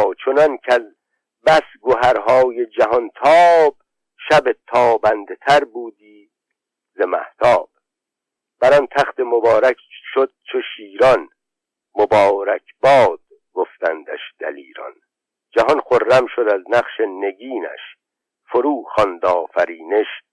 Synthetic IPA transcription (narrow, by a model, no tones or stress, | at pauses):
t͡ʃʰonɒnkʰæz | bæsɡoɦæɾɦɒːje̞d͡ʒæɦɔnt̪ʰɒːb̥̚ | ʃæbet̪ʰɒːbænd̪et̪ʰæɾbuːd̪iː | zemæ̰ht̪ʰɒːb̥̚ | b̥æɾɒnt̪ʰæχt̪e̞mobɒːɾækʃod̪̥̚t͡ʃʰoʃiːɾɒn | mobɒːɾækʰbɒːd̪̥̚ | ɡoft̪ænd̪æ̰ʃd̪̥æ̰liːɾɒ̰n | d͡ʒæɦɒnχorːæmʃod̪æznæχʃene̞ɡiːnæ̰ʃ | foɾuːχɒnd̪ɒːfæɾiːne̞ʃ